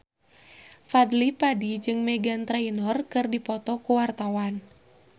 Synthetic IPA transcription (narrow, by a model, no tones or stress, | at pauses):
fad̪lipadid͡ʒɨŋmɛɡant̪ɾainɔrkɨrdipɔt̪ɔkuwart̪awan